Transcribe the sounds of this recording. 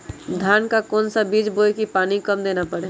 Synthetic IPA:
d̪ʱjaːnkakɔːnsabiːd͡ʒboːjkipaːnikɐmd̪eːnapɐɽe

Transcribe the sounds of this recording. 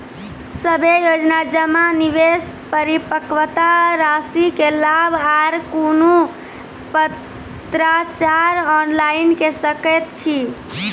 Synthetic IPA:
səbʱejod͡ʒnad͡ʒəmaniʋes | pəɾipəkʋət̪aɾasikelabʱaɾkonu | pə | t̪ɾat͡ʃaɾɔnlainkesəkət̪̚t͡ʃʰi

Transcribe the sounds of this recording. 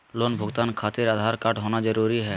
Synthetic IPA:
loːnbʱʊɡt̪aːnkʰaːt̪ɪɾad̪ʱaːɾkaʈɦoːnad͡ʒəɾuːɾiɦɛː

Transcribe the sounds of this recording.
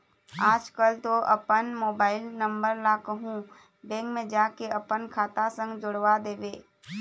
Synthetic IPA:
aːd͡ʒkəlt̪oʔɐpənmoːbaːɪlnɐ̃mbəɾlakəɦũ | bɛ̃ːkmẽd͡ʒaːkeɐpənkʰaːt̪asə̃ŋɡd͡ʒʊɽʋad̪eːʋeː

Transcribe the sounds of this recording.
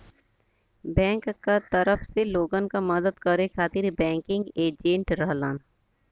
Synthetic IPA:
bɛ̃ːŋkkːat̪ɐɾəfseloːɡənkamɐd̪əd̪kɐɾekʰaːt̪ɪɾbɛ̃ːŋkɪ̃ŋɡeːd͡ʒẽːɳʈɾɐɦlaːn

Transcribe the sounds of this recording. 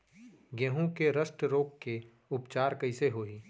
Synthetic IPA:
ɡɛɦũkeɾəsʈɾoːkːe | ʊpt͡ʃaːɾkɐɪseɦoːiː

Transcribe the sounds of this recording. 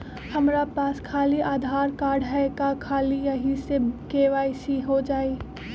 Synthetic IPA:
hɐmɾapaːskʰaːliʔaːd̪ʱaːɾkaːɾɖɦɛkakʰaːlijɐɦisekeːʋaːɪsiɦod͡ʒaːi

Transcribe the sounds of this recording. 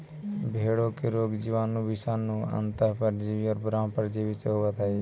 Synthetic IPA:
bʱeːɽõkeɾoːɡd͡ʒiːʋaːnːũbɪsaːnːũə̰nt̪əɾpəɾd͡ʒiʋiɔːɾbɾãːmpəɾd͡ʒiːʋiseɦoʋət̪əe

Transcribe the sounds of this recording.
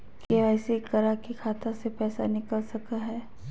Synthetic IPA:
keɛːsikɐɾakikʰaːt̪ãsepɛːsa̰nɪkəlsɐkaɦɛː

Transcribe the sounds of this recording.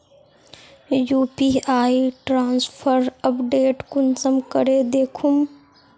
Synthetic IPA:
juːpiːaːiʈɾãːnspʰəɾəpɖeːʈkʊnsəmkəɾed̪eːkʰum

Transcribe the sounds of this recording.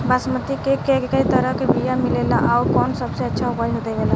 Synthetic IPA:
basmət̪ikekekekəjt̪əɾəɦkebijamilelaʔauɾkɔnsəbsẽətːʃʰaupad͡ʒɦot̪əbela

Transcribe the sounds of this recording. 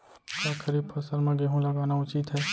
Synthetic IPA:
kakʰəɾiːb̚pʰɐsəɾmẽɡeɦũlɐɡaːnaʊt͡ʃit̪ɦɛː

